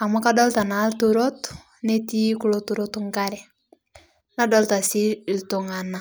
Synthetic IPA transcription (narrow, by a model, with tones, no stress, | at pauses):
a˨makadɔ˦lta˨na˨ltuɾot | ne˦ti˦kulotuɾotuŋkaɾɛ˨ | na˦dɔlta˨si˦ltʊ˨ŋana˨